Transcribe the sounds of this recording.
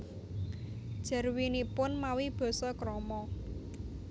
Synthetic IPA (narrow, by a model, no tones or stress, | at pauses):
d̥ʒ̥ə̤rwinipʊnmawib̥ɔ̤sɔkɾɔmɔ